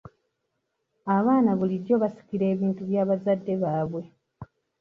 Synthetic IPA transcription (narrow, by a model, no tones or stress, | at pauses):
aβaːnaβulido̞βasi̥kiɾe̞ːβiːntuβjaːβazadːe̞βaːβwe̞